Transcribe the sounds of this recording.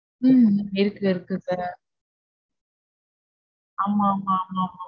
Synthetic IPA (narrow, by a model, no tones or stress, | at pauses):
ɯɪɾɯkːɯɪɾɯkːɯsaːɾ | aːmaːmaːmaːma